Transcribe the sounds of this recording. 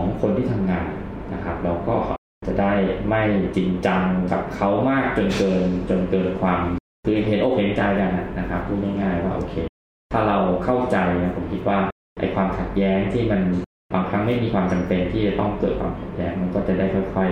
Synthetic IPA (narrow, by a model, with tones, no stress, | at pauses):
ɔ˩˦ŋkʰo˧nt̪ʰiː˥˩t̪ʰa˧mŋaː˧n | na˦˥kʰa˦˥p̚ɾa˧wkɔː˥˩ | t͡ɕa˨˩daː˥˩jma˥˩jt͡ɕi˧nt͡ɕa˧ŋka˨˩p̚kʰa˦˥wmaː˥˩k̚t͡ɕo˧nkɤː˧nt͡ɕo˧nkɤː˨˩t̪̚kʰwaː˧m | kʰɯː˧ʔɦe˨˦ʔoː˧˩ke˨˩˦nt͡ɕa˧jka˧nʔa˨˩na˦kʰa˦˥pʰːuː˥˩t̪̚na˥˩jŋaː˥˩jwaː˥˩ʔo̰ː˧kʰeː˧ | t̪ʰaː˥˩ɾa˧wkʰa˥˩wt͡ɕa˧jna˦˥pʰo˩˦mkʰi˦˥t̪̚waː˥˩ | ʔa̰˧jkʰwaː˧mkʰa˨˩t̪̚jɛː˦˥ŋt̪ʰiː˥˩ma˧n | ba˧ŋkʰɾa˦˥ŋ̚ma˥˩jmiː˧kʰwaː˧mt͡ɕa˧mpe˧nt̪ʰiː˥˩t͡ɕa˨˩t̪ɔ˥˩ŋkɤː˨˩t̪̚kʰwaː˧mkʰa˨˩t̪̚jɛː˦˥ŋma˧nkɔː˥˩t͡ɕa˨˩daː˥˩jkʰɔː˥˩jkʰɔ˥˩j